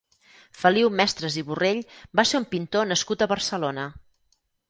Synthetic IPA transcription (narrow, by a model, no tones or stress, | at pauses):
fəliwmɛst̪ɾəziβureʎbaseumpint̪onəskut̪əβərsəlonə